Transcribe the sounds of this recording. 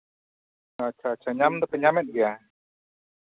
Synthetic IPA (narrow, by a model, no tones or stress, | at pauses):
at͡ʃʰat͡ʃʰaɲamd̪ɔpɛɲamɛt̪̚ɡɛja